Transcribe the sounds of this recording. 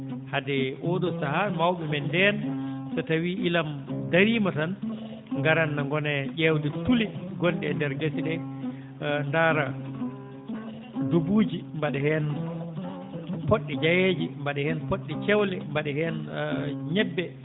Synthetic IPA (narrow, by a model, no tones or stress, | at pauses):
hadɛʔoɗɔsahamawɓɛmɛndɛnsatawiʔilamdaɾiːmatan | ŋɡaɾanːaŋɡɔnɛʄɛwdɛtuliɡɔnɗɛndɛɾɡasiɗɛ | ndaɾa | dobuːd͡ʒimbaɗɛhɛn | poɗːid͡ʒajed͡ʒimbaɗɛhɛnpoɗːit͡ʃɛwlɛmbaɗɛhɛn | ɲɛbːɛ